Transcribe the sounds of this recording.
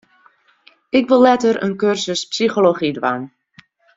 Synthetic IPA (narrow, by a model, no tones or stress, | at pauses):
ɪkʋɪlˠːɛtəɾə̰nkørsəspsixoloχidwa̰n